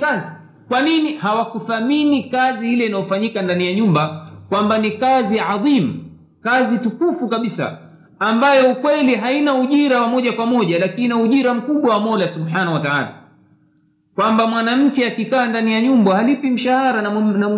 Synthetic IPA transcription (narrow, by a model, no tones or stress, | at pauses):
azi | kwaninihawakufaminikazihilɛinajɔfaɲikandanijaɲumbakwambanikaziʕaðimu | kazitukufukaɓisa̰ | ambajɔukwɛliɦainauʄiɾawamɔʄakwamɔʄalakinauʄiɾam̩kuɓwawamɔlasuɓħanawataʕa̰ːla̰ | kwambamwanam̩kɛakikaːndanijaɲumbahalipim̩ʃahaɾanna